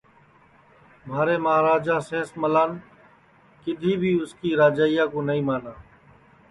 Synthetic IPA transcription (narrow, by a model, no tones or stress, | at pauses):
maːɾeːməaːɾaːd͡ʒãːsẽːsməlaːn | kɪd̪ʱiːbʱiːʊskiːɾaːd͡ʒaːɪjãːkoːnəĩːmaːnaː